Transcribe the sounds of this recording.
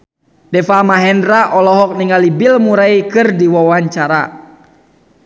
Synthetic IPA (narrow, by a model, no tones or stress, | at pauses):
dɛfamaɦɛnraʔɔlɔɦɔk̚niŋalibilmuɾaikɨrdiwawaɲt͡ʃaɾa̰